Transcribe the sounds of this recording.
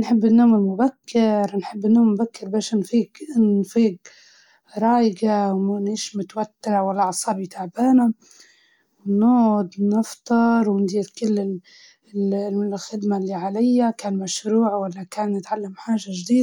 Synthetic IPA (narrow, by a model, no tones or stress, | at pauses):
nħɪbːɪnːoːmɪlmʊbakːɪɾnħɪbːɪnːoːmmʊbakːɪɾbaːʃʔɪnfiːkɪnfiːɡ | ɾˤɑːjɪɡawmaniːʃmʊt̪awat̪ːɪɾwalːaʕɑsˤɑːbit̪ʰaʕbaːna | wɪnːoːd̪nɪft̪ˤɑɾˤwɪnd̪iːɾkɪlːɪ | xɪd̪malːiːʕalajːakaːnmaʃɾuːʕwalːakaːnːɪt̪ʕalːamħaːʒaʒd̪iːd̪